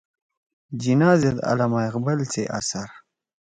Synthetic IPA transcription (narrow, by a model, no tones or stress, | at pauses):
d͡ʑinaːzed̪a̰lamajqbɐlt͡seʔa̰saɾ